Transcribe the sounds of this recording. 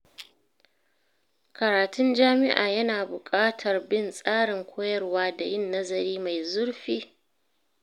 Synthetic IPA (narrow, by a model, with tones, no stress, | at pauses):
kɐ˨ɾaː˨tʊ˦nd͡ʒaː˦mɪ˦ʔa̰ː˨jɐ˦naː˨bʊ˨kʼaː˦tʰɐ˨rbɪ˦˨nsʼaː˦ɽɪ˨ŋkʷʰoː˦jɐ˦rwaː˦da˨jɪ˦nːɐ˦zɐ˨ɾiː˦ma˨jzʊ˦ɽɸiː˦